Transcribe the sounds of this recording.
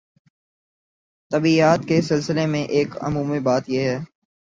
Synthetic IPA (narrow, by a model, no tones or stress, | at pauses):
t̪ɐbiːaːt̪kesɪlsɪlemẽʔeːkə̰mũːmibaːt̪jeɦɛː